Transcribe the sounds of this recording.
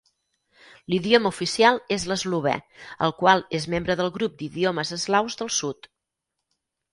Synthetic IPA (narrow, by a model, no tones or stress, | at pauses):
liðioməufisialˠezləzluβ̞ɛ̰ə̰lˠkwalˠezmembɾəðəlˠɣɾup̚d̪iðioməzəzɣlawzðəlˠsut̪